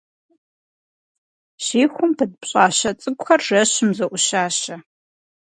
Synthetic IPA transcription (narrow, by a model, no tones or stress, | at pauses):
ɕiːxʷʊmpʰɐdpɕʼɑːɕɐt͡sʼɨɡʷxɐrʒɐɕɪmzɐʔʷʊɕaːɕɐ